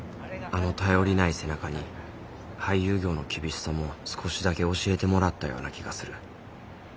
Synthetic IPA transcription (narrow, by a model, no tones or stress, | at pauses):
ano̞t̪ajo̞ɾʲinaise̞nakaɲ̟i | hajːɯ̟ːɡʲo̞ːno̞kʲibʲiɕi̥samo̞sɨ̥kʰo̞ɕid̪ake̞o̞ɕie̞t̪e̞mo̞ɾat̪ːajo̞̰ːnakʲiɡasɨɾɯ̟